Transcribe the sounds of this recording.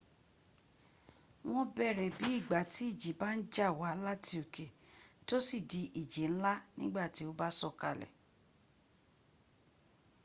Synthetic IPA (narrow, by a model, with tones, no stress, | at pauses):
w̃ɔ̃˦bɛ˦˨ɾɛ˨bi˨˦i˦˨ɡ͡ba˨ti˨˦i˦˨d͡ʒi˨˦ba˦n̩˦d͡ʒa˦˨wa˨˦la˦ti˧o˨ke˨to˦si˦˨di˨˧ʔi˨d͡ʒi˨ñ̩˦la˦nĩ˦ɡ͡ba˦˨ti˨˦o˦ba˦sɔ˦˨ka̰˧˨lɛ̰˨